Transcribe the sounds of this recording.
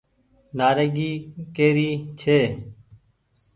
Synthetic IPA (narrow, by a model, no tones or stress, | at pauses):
naːɾeːɡiːkeːɾiːt͡ʃʰeː